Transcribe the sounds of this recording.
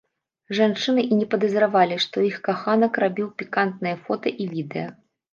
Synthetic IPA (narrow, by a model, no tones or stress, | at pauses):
ʐant͡ʂɨnɨʔinʲɛpɐd̪ɐzɾavalʲiʂt̪ɔixkaxanɐkrabʲiwpʲikant̪̚nɨjɐfɔt̪ɐʔivʲid̪ɛ̰jɐ